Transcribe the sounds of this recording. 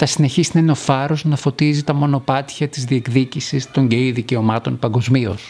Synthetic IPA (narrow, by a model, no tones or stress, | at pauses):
θɐsine̞çisinɐeno̞fɐɾo̞znɐfo̞t̪izit̪ɐmo̞no̞pɐt̪çɐt̪izðie̞kðicisist̪o̞ɲɟeiðice̞o̞mɐt̪o̞npɐŋɡo̞zmio̞̰s